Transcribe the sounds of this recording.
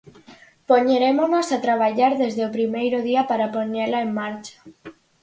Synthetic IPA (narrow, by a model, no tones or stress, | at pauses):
poɲeɾemonosat̪ɾaβ̞aʎaɾðezðeopɾimejɾoðiapaɾaponelaeŋːaɾt͡ʃḁ